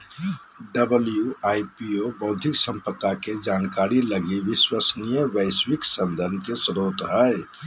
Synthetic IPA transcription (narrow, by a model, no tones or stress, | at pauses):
ɖəbəljuajpiobəʊd̪ʱiksə̃mpət̪ːaked͡ʒankaɾiləɡiʋiswəsnijəbəɪswiksənd̪ʱənkesɾot̪ɦə